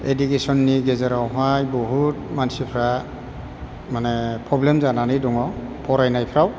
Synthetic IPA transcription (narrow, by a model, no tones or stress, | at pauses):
edukesɔnːiɡezaɾawɦajbɔɦut̚mansipʰɾa | manepʰɾɔblemzananidɔŋɔpʰɔɾajnajpʰɾaw